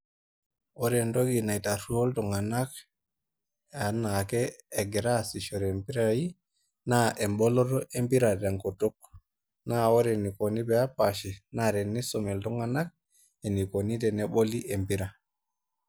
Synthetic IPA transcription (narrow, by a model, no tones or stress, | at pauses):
oɾɛndoɡinajtaɾuoltɔŋɡanak | anakɛːɡɛɾasiʃoɾɛmpiɾaji | naʔɛmbɔlɔtɔʔempiɾadaŋkotɔk̚ | naoɾɛnikonibɛapaʃinaɾɛnisɔmɛltɔŋɡanak̚ | ɛnikonidɛnɛɓoliʔempiɾa